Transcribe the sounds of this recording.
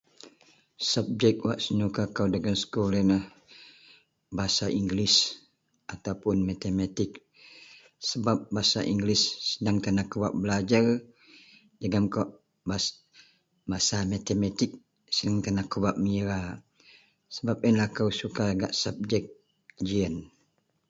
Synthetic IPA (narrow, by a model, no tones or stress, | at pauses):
sap̚d͡ʒɛk̚waʔsənukakawdəɡamsə̥kolənah | baɦasaʔiŋɡlɪs | ʔat̪awpʊnmat̪emat̪ɪk̚ | səbap̚baasa̰ʔiŋɡlɪsːədaŋt̪anakəwaʔ̚bəlad͡ʒar | dəɡamkɔʔ | bas | basamat̪emat̪ɪk̚ | sədaŋt̪anakəbaʔ̚miɾa | səbap̚inlahkawsukaɡaʔsap̚d͡ʒɛk̚ | d͡ʒiən